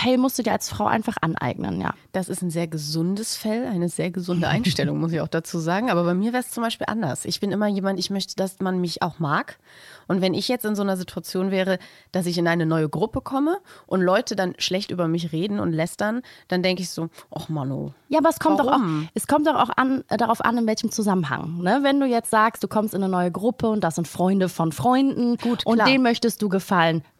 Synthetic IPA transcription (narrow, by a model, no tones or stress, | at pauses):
ɛlmʊstd̥uːdiːalsfʁ̥aʊʔa̰ɪnfaχʔa̰nʔa̰ɪɡ̚nə̰nja̰ːd̥asɪstaɪnzeːɐɡəzʊndəsfɛlʔaɪnəzeːɐɡəzʊndəʔa̰ɪnʃtɛlʊŋmʊs̬ɪça̰ʊxd̥at͡suːzaːɡŋ̩ʔaːbɐbaɪmiːɐvɛːʁəst͡sʊmbaɪʃpiːlʔandɐ̰sʔɪ̰çb̥ɪnʔɪmɐjeːmantɪçmœçtə̥d̥asmanmɪçʔa̰ʊxmaːkʔʊntvɛnɪçjɛt͡stɪnzoːnɐzitʰuat͡sjoːnvɛːʁ̞əd̥as̬ɪç̬ɪnʔaɪnənɔʏəɡʁʊpəkʰɔməʔʊntlɔʏtʰədanʃlɛçtʔyːbɐmɪç̬ʁeːdn̩ʊ̰ntlɛstɐnd̥andɛŋkəɪçz̥oːʔɔχmano̰jaːabɐɛskʰɔmmtd̥ɔaʊmʔɛskʰɔmt̚d̥ɔχa̰ʊxʔa̰ndaʁaʊfʔa̰nɪnvɛlçəm̩t͡suzamənɦa̰ŋnəvɛnduːjɛt͡stz̥aːkstd̥uːkʰɔmstɪnənɔʏəɡʁʊpʰəʊnt̚d̥asz̥ɪntfʁ̥ɔʏndəfɔnfʁ̥ɔʏndn̩ɡ̥uːtʔʊntːd̥eːnmœçtəst̚d̥uːɡəfalən